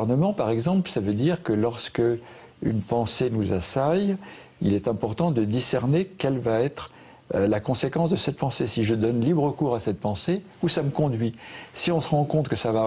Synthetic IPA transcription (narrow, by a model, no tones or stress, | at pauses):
ʁnəmɑ̃paʁɛɡzɑ̃plsavød̪iʁkəlɔʁskə | y̰npɑ̃senuzasaj | ḭlɛt̪ɛ̃pɔʁt̪ɑ̃d̪əd̪isɛʁnekɛlvaɛt̪χ | lakɔ̃sekɑ̃sd̪əsɛt̪̚pɑ̃sesiʒəd̪ɔnlibʁəkuʁasɛt̪̚pɑ̃se | usaməkɔ̃d̪ɥisiɔ̃səʁɑ̃kɔ̃t̪kəsava